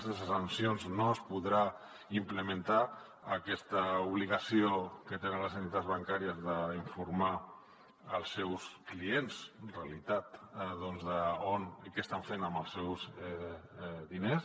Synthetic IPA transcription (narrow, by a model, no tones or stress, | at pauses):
zðɛs̬əsansionznoəspuðɾa | impləmənt̪a | əkɛst̪əuβ̞liɣəsiokət̪enə̃nləzənt̪it̪ad̪zβaŋkaɾiəzðəiɱfuɾma | əlˠsːɛwskliensrealit̪at̪ðonzðəonikɛst̪aɱfenəmbəlˠsːɛwzɛ | ðines